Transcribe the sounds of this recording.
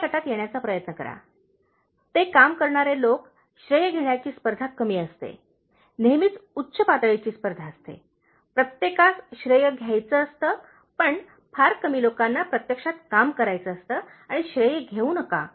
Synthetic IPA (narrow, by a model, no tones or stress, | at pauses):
kəʈat̪jeɳjat͡sapɾəjət̪nəkəɾa̰ | t̪ekamkəɾɳaɾelok | ɕɾəjəɡʱeɳjat͡ɕiːspəɾd̪ʱakəmiːəst̪ḛ | nemit͡sutːɕʰəpat̪əɭet͡ɕiːspəɾd̪ʱaəst̪ḛ | pɾət̪jekasɕɾəjəɡʱjajt͡səːst̪əː | pəɳ | pʰaɾkəmiːlokanːapɾət̪jəkʂat̪kamkəɾajt͡səːst̪əː | aɽ̃iɕɾəjəɡʱeuːnəka̰